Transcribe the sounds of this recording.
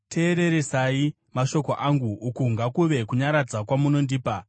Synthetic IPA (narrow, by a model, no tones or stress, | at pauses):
tʰe̞ːɾe̞ɾe̞sai | maʃo̞koʔaŋɡuːkuŋɡakuʋe̞kuɲaɾad͡zakwamuno̞ndiːpa